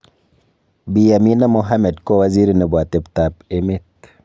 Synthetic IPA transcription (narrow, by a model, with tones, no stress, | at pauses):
bi˨ja˨mi˦na˦mo˦ɦa˦me˨dko˦wa˨zi˦ɾne˨bwa˨te˨bta˨be˦me˦t̪